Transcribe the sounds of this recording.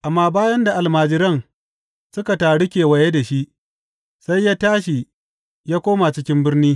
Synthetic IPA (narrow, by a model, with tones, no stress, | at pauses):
ʔa˨mːaː˦baː˦jɐ˦nda˨ʔa˨lmaː˨d͡ʒɪ˦ɾɐ˦˨ŋ | sʊ˦ka˨taː˨ɽɪ˦kʲeː˨wɐ˨je˦da˨ʃi˦ʔ | sa˦jːaː˦taː˦ʃi˨ | jaː˦kʷoː˦ma˨t͡ʃɪ˦kʲɪ˦mbɪ˦rniː˦